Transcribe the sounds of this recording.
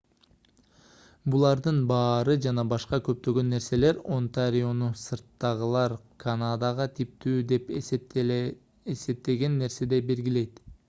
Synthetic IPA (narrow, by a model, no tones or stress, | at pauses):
bulˠɑɾd̪ɯnbɑːɾɯd͡ʒɑnɑbɑʃqɑkøp̚t̪ø̞ɡø̞nːe̞ɾse̞le̞ɾont̪aɾʲionusɯɾt̪ːɑʁɯlˠɑɾkʰɐnad̪ɑʁɑt̪ʰip̚t̪yːd̪e̞p | ese̞p̚t̪e̞ɡe̞nːe̞ɾse̞d̪e̞be̞ɾɡʲile̞jt̪